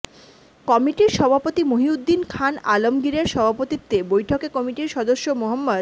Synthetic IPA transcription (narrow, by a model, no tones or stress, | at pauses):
kɔmiʈiɾʃɔbʱapot̪imoɦiud̪ːinkʰanalomɡiɾeɾʃɔbʱapot̪it̪ːebojʈʰokekɔmiʈiɾʃɔd̪oʃːomoɦamːad̪